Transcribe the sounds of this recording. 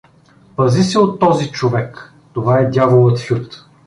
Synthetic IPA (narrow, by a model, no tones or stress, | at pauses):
pɐzisɛot̪ːɔzit͡ʃovɛk | t̪ovaɛd̪ʲjavolˠət̪fʲjut̪